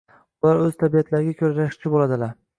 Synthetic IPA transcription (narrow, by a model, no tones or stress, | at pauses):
ʊlaɾɵz̥t̪ʰabijat̪ʰlaɾɪɡʲakʲʰɵɾɾaʃt͡ʃʰɪbolad̪ɪlaɾ